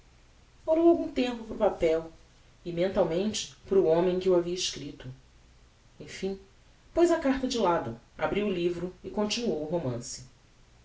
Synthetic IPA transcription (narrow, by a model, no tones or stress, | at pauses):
olowawɡũt̪ẽmpʊpɾʊpapɛw | ɪmẽnt̪awmẽnt͡ʃɪ̥pɾʊõmẽj̃kɪuaviɐiʃkɾit̪ʊ | ẽj̃fĩ | pojzɐkaχt̪ɐd͡ʒɪlad̪ʊa̰bɾiwʊlivɾʊɪkõnt͡ʃinuowuɦomɐ̰̃sɪ̥